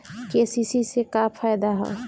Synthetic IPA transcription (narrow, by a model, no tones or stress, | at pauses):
kesisisekapʰajd̪aɦɛ̰